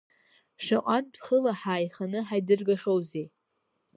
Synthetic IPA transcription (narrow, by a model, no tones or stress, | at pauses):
ʂaʔʷʼanpʰχəlaħaːjχanɨħajdɨrɡaʃowzej